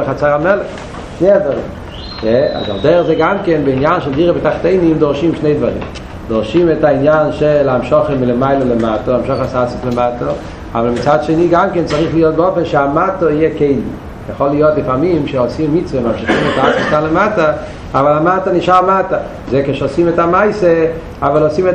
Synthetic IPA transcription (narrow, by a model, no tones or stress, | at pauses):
χat͡saʁamɛlɛχ | ʃneɪadvaʁḭm | jɛa̰za̰ldɛʁzeɡamkɛnbɪinjanʃɛlˠdiʁəvɪtaχteɪnimdɔʁʃimʃneɪdvaʁḭm | dɔʁʃimɛtainjanʃɛlˠaamʃɔχəmɪləmaɪlˠələmatəaamʃɔχasat͡sɪslɪmatʰə | a̰valˠmit͡saːdʃeniːɡamkɛnt͡saʁiχlijot̚bɔfɛnʃeamatəijekeɪli | jeχolˠijotlɪfaʁmimʃeosimːit͡svemamʃɪχimɛtaat͡smɪskanlematɐ | avalamatəniʃaʁmatɐ | zekeʃosimɛtamaɪse | avalosimɛ